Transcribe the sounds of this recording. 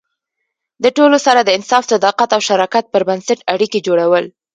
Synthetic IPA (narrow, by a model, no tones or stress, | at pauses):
d̪əʈolosaɾad̪əɪnsɑft̪ad̪ɑqat̪awʃaɾɑkat̪̚pəɾbansaʈaɽiked͡ʒoɽawəl